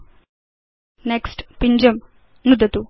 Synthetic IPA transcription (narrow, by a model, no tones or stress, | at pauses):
neksʈpiɲd͡ʒɐm | nud̪ɐt̪u